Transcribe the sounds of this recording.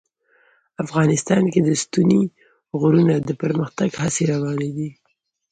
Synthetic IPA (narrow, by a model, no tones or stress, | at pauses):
afɣɑnɪst̪ɑnked̪əst̪uni | ɣʊɾunad̪əpəɾməxt̪aɡhaseɾawɑned̪i